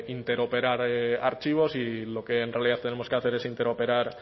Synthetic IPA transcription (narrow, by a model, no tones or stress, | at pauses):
int̪e̞ɾo̞peɾaɾaɾt͡ʃiβ̞o̞silo̞ke̞ːnrealiðaθt̪ene̞mo̞ske̞aθe̞ɾe̞sint̪e̞ɾo̞pe̞ɾaɾ